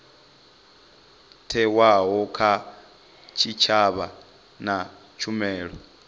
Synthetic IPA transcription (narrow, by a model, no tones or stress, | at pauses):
tʰɛwaɦɔkʰa | t͡ʃʰit͡ʃʰaβa | na | t͡ʃʰumɛːɺɔ